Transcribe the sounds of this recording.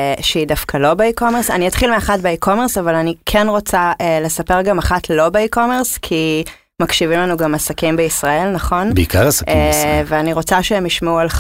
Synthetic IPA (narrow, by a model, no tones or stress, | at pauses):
ʃeidafkʰalo̞beikomeʁsaniat̪χilmeaχatbeikʰome̞ʁsavalanikʰenʁo̞t͡saʔele̞sapeʁɡamaχatʰlo̞beikomeʁskʰi | makʃivimlanuɡamasakimbeisʁae̞lnɐχo̞nbeikaʁasakveaniʁo̞t͡saʃehemjiʃmeual